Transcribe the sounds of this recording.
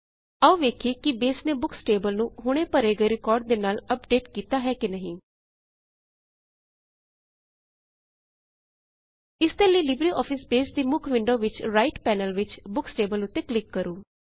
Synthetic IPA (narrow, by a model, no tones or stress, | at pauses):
əuʋeːkʰiːkɪbeːsneːbʊkʰsʈeːbəlnũːɦʊɽ̃eːpəɾeːɡəeːɾɪkɔːɾɖ̚d̪eːnaːləp̚ɖeːʈkiːt̪aːɦɛːkɪnəɦĩː | ɪst̪əliːlɪbɾiːʔɔːpʰɪsbeːsd̪iːmʊkʰʋɪ̃ɳɖoːʋɪt͡ʃɾaːɪʈpɛːnəlʋɪt͡ʃbʊksʈeːbəlʊt̪ːeːklɪkːəɾuː